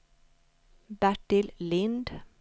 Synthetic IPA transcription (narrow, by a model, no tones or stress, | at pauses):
bæʈɪllɪnd̪